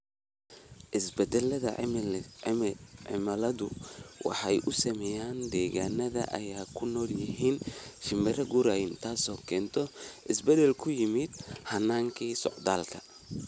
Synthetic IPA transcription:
ʔɪsbɛd̪ɛlɐðɐ̰ | ʕɪ̰mɐlɐðʊwɑ̰ħɑjʔʊsɐmɛːjaːnd̪ɛːɣaːnɐðɐ̰ʔɐ̰jaːkʰʊnɔːljɪɦiːnʃɪmɛɾɐɡuɾajɪnt̪ʰaːsɔːkʰɛːnt̪ʰɔʔɪsbɛd̪ɛlkʰʊjɪmɪd̪̚hɐnaːŋkʰiːsɔ̰ʕd̪aːlkʰɐ

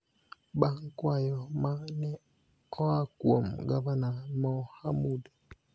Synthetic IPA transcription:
baŋkwajɔmanɛ | ɔakwo̰mɡaβanamɔhamudɛ

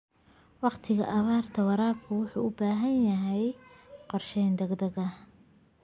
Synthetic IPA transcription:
wɑqt̪ʰɪɣɐ̰ʔɐβaːrt̪ʰɐwɑɾaːb̚kʰʊwʊħṵːʊbaːɦɐnjɐɦɛjqɔrʃɛjnd̪ɛɡd̪ɐɣɐ

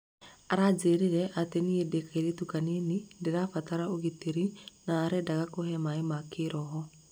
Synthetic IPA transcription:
aɾad͡ʒeɾeɾɛʔateniedekaiɾetukanenindeɾafataɾaoɣiteɾinaːɾɛdaɣakoɦɛmaemakeɾɔɦɔ

